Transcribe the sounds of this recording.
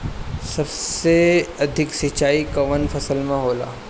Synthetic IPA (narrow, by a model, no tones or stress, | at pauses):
sɐbseɐd̪ʱɪksit͡ʃaːikɐʋənfʰɐsəlmẽɦoːla̰ː